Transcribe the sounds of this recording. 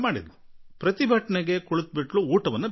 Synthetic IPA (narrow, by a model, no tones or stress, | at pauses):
maːɽḭd̪upɾɐt̪ibʱɐʈɐɳeɡe̞koɭut̪̚biʈluːʈɐʋɐnːɐ